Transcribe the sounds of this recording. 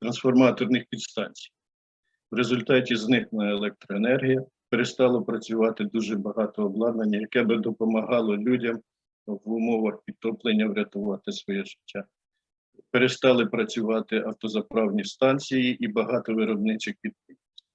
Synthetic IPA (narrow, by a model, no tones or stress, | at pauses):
t̪ɾɐnsfɔrmɑt̪ɔrnɪxpʲid̪st̪ɑnʲt͡sʲi̥j | wɾezʊlʲt̪ɑtʲiznɪxnɐelˠɛk̚t̪ɾɔenɛrɦʲijɐ | peɾest̪ɑlˠɔpɾɐt͡sʲʊʋɑt̪ɪd̪uʒɛbɐɦɑt̪ɔːblˠɑd̪nɐnʲːɐjɐkɛbɪd̪ɔpɔmɐɦɑlˠɔlʲudʲɐm | ʋʊmɔʋɐxpʲid̪̚t̪ːɔplˠenʲːɐwɾʲɐt̪ʊʋɑt̪ɪsʋɔjɛʒɪtʲːa | peɾest̪ɑlˠɪpɾɐt͡sʲʊʋɑt̪ɪʔɐwt̪ɔzɐpɾɑwnʲist̪ɑnʲt͡sʲijiʔibɐɦɑt̪ɔʋɪɾɔbnɪt͡ʃɪxpʲid̪̚pɪi